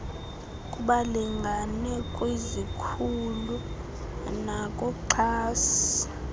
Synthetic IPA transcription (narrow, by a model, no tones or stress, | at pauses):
kʼuɓaliŋɡʱanɛkʼwezikʰulu | nakʼɔǃʰaːsi̥